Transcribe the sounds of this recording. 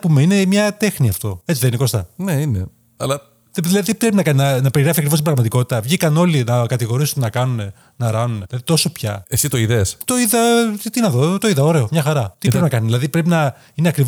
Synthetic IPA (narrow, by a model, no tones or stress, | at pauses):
pumeine̞mɲɐt̪e̞xniɐft̪o̞et͡siðenineko̞st̪ɐneinḛ | ɐ̰lɐ | eðilɐðiðipɾepinɐkɐninɐnɐpe̞ɾiɣɾɐfiɐkɾivos̬tibɾɐɣmɐt̪iko̞t̪i̥t̪ɐvʝikɐno̞linɐkɐt̪iɣo̞ɾisunnɐkɐnune | nɐɾɐnunðilɐðit̪o̞so̞pçɐ̰esit̪o̞iðest̪o̞iðɐit̪inɐðot̪oiðɐoɾe̞omɲɐxɐɾɐt̪iɾe̞pinɐkɐnizðilɐðipɾe̞pinɐ | ineɐkɾi